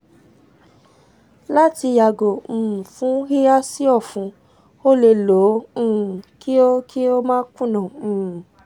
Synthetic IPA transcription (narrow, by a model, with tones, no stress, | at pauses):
la˦ti˧ja˨ɡõ˨fũ˨˦hi˦a˦si˦ɔ˦˨fũ˨˦ | o˦le˧˨lõ˨˦˨ | ki˦o˦kʰi˦o˦mãː˦kũ˦˨nɔ̃ː˨